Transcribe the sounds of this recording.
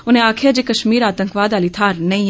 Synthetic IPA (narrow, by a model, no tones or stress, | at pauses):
ʊnẽːaːkʰjaːd͡ʒeːkəʃmiːɾaːt̪əŋkʋaːd̪aːliːt̪ʰaːɾnəĩː